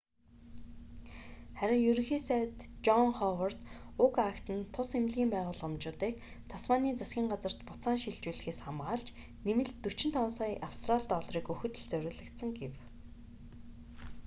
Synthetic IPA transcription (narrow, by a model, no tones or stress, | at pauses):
χæɾʲɪ̆ŋjɵɾ̆xiːsæt̪t͡ɕɔŋχɔwar̥t̪ʊkakt̪ɘ̆nt̪ʰːʊsemɮɣiːmpæːʁʊːɮʊmt͡ɕʊːt̪iːk | t̪ʰaswaniːt͡sasɡʲiːɴɢat͡sə̆r̥t̪pʊt̪saːnʃiɮt͡ɕuːɮɘ̆xeːsχamɢaːɮt͡ɕ | nemɘ̆ɮt̪ːɵt͡ɕɪ̆n̥t̪ʰɔnsɔːjʔawst̪ʰraɮt̪ɔɮriːkɵxɵ̆t̪ɵ̆ɮt͡sœɾʲʊ̆ːɮə̆kt̪sə̆ŋɡew